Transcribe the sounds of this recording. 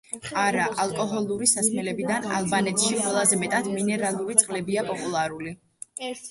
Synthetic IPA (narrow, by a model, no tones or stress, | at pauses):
aɾaʔalˠkʼɔɦɔlˠuɾisasmɛlɛbid̪ana̰lˠbanɛt̪ʰʃiqʼwɛlˠazɛmɛt̪ʼad̪minɛɾalˠuɾit̪sʼqʼlɛbiapʼɔpʼulˠaɾuli